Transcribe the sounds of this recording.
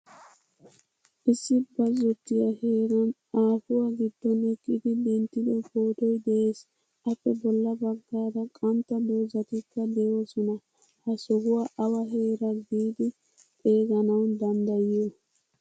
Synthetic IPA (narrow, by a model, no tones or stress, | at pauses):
ʔɪsːɪbɐzːɔt̪ːɪjɐheːɾɐn | aːfʊwaɡɪd̪ːɔnɪkʼːɪd̪ɪd̪ɛnt̪ːɪd̪ɔpoːt̪ɔjd̪ɛʔeːs | ɐpːɛbɔlːɐbɐɡːaːd̪ɐkʼɐnt̪ːɐd̪oːzɐt̪ɪkːɐd̪ɛjosɔnɐ | hɐsɔɦʊwaʔɐwɐɦe̞ːɾɐd̪iːd̪ɪ | t̪ʼe̞ːɡɐnɐwd̪ɐnd̪ɐjɪjo